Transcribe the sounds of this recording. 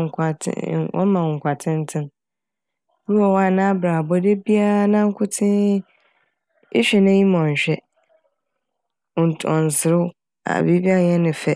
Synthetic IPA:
ŋ˨kʰa̰˨˦wʔɔ̰˦mã˨kʷʰa˨tʰɪ̃˦n̩˦tʰɪ̃˦n | wu˦ɔ˨wa˦˨nã˦bɾa˨bɔ˦de˦bi˦a˦nã˦ŋ̩˦kʰʊ˦tʰɪ̃˦ | ɪ˦ɕᶣɛ˨nã˦ji˦mɔ̃˨ɲ̩˨ɕᶣɛ˦˨ | n˨tʰɔ̰˨n̩˨sɪ˨ɾʊ˦ | a̰˨bi˦bi˦a˦˨ɲɛ̃˦nɪ̃˨fɛ˦˨

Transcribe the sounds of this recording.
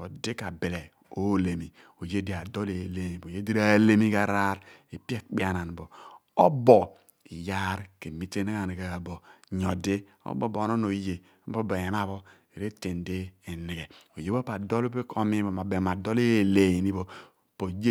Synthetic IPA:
o˨de˦ka˨be˨le˨ | o˦˨le˨mi˨ | o˨je˦de˨a˨do˦le˨le˨˦ni˨bo˨je˦di˦ɾa˦le˦mi˦ka˨ɾa˦ɾ | e˨pi˦e˦k͡pi˦a˦˨na˨n˨bo˨ | o˦bɔ˨ | i˨ja˦ɾke˨mi˦te˦ne˦ka˦˨ni˨ka˨a˨bo˨ɲo˨de˦ | o̰˦bo˦bo˨˦no˦no˨i˦je˨˦po˦bo˨ja˨na˦bo˦ | e˨ɾe˦te˨nde˦e˨ni˨ɡe˨o˨je˦bo˦pa˨do˦lo˦pe˦kʰo˦mi˦bo˨ma˨be˨ma˨do˦le˦˨le˨ni˦bo˨ | po˨d͡ʒe˦

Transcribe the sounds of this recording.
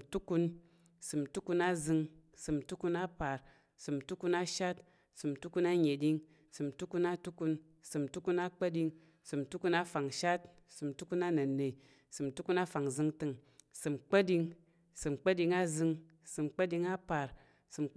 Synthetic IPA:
tu˦ku˧n | sɨ˨mtu˦ku˧na˦zɨ˧ŋsɨ˨mtu˦ku˧na˦pa˨ɾ | sɨ˨mtu˦ku˧na˦ʃa˦t | sɨ˨m˨tu˦ku˧na˦ɲe˨di˧ŋ | sɨ˨mtu˦ku˧na˦tu˦ku˧n | sɨ˨mtu˦ku˧na˦k͡pə˦di˧ŋ | sɨ˨mtu˦ku˧na˦fa˨ŋʃa˦t̚ | sɨ˨mtu˦ku˧na˦nɐ˨ne˨ | sɨ˨mtu˦ku˧na˦fa˨ŋzɨ˧ŋtɨ˧ŋ | sɨ˨mk͡pə˦di˧ŋ | sɨ˨mk͡pə˦di˧ŋa˦zɨ˧ŋ | sɨ˨mk͡pə˦di˧ŋa˦pa˨ɾ | sɨ˨m

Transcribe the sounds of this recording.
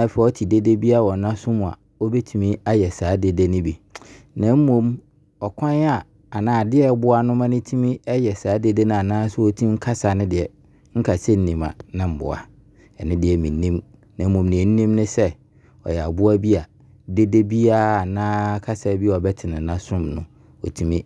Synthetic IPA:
nã˨˦˨fa˨ɔ˦tʰi˨de˦de˦bi˦a˦˨wɔ˨nã˦sʊ˦mʊ̃˨a̰˨ | ɔ˦bɛ˦tʰũ˨mĩ˦a˦jɛ˨saː˨˦de˨de˦nɪ̃˦bi˨nã˨˦m̩˦mõ˦m | ɔ˨kʰʷã˦n˦a˨ | a˨nãː˨˦˨dɪ˦ɛ˦bʊ˦a˨nʊ̃˦mã˦nɪ̃˦tʰi˦mĩ˦ɛ˦jɛ˨saː˨˦de˦de˦nʊ̃˦a˨nãː˦sʊ˦ɔ˦tʰĩ˦m˦kʰa˦sa˨nɪ̃˦dɪ˨ɛ˨ | ŋ̩˦kʰa˨se˦n̩˦nĩ˨ma̰˨nɪ̃˦m̩˨bʊ̰˨a̰˨ | ɛ˨nɪ̃˦dɪ˨ɛ˨mĩ˨˦nĩ˦m | nã˨m̩˦mõ˨mnĩ˨ɛ˨n̩˦nĩ˦mnʊ̃˦sɛ˦ | ɔ̰˨jɛ˨a̰˨bʊ˦a˦bi˦a˨ | de˦de˦bi˦a˦a˨nãː˦kʰa˦sa˨˦bi˦a˨ɔ˨bɛ˦tʰɪ˨nɪ̃˨nã˦sʊ̃˦mnʊ̰̃˨ | ɔ̰˨tʰi˨mĩ˦

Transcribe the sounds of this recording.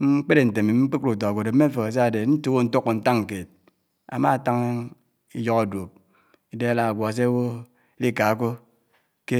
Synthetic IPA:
ŋ͡m̩˦k͡pe˦ɾe˨n̩˨te˨mi˨˦k͡pi˦ku˨t̬o˨ɡʷo˨de˨m̩˦e˦fo˨ke˨s̬a˦a˨de˨˦n̩˦tu˦wo˦n̩˦to˦kːo˨n̩˦ta˦ŋŋ̩˨ke˨t̚ | a̰˨ma˦˨ta˦ŋ˦ | i˦jo˦ka˨do˨k̚ | i˦de˦a˦la˨a˨ɡʷa˨a˨s̬e˦wo˦ | li˦ka˨˦k̬o˦ | ke˦

